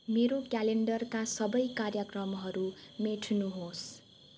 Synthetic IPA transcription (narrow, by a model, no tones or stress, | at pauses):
meɾokjaleɳɖʌrkasʌbʌjkarjʌkrʌmɦʌɾumeʈʰnuɦos